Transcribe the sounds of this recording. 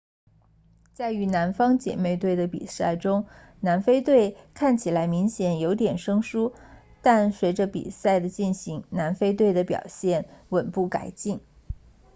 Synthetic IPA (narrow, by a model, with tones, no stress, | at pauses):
t͡sa˥˩ɪy˧˥na˧˥nfɑ˥ŋt͡ɕjɛ̰˨˩me˥˧ɪt̪we˥˩ɪd̪ə˩pḭ˨˩sa˥˩ɪʈ͡ʂʊ˥ŋ | na˧˥nfe˥ɪt̪we˥˧ɪkʰa˥˩nt͡ɕʰi˨˩la˧˥ɪmi˧˥ŋɕjɛ˨˩njo˧˥ʊt̪jɛ˨˩nʂɤ˥ŋʂu˥ | t̪a˥˩nswe˧˥ɪʈ͡ʂə˧pḭ˨˩sa˥˩ɪd̪ə˩t͡ɕi˥˩nɕi˧˥ŋna˧˥nfe˥ɪt̪̬we˥˩ɪd̪ə˩pjɑ̰˨˩ʊɕjɛ˥˩nwə˨˩npu˥˩ka̰˨˩ɪt͡ɕi˥˩ŋ